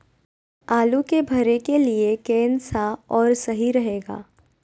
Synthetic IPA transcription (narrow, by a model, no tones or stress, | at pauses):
aːlukebʱɐɾekeliekɛːnsaɔːɾsɐɦiɾɐɦeːɡa̰ː